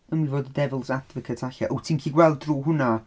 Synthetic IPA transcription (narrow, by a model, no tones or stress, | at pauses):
ənwivoːdədɛvəlˠsadvəkʰətʰaɬaʔowtʰiːnkʰiːɡwɛlˠdruːɦʊna